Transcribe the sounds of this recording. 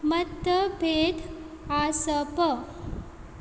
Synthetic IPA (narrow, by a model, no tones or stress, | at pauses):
mət̪ːəbʱed̪ | asəpə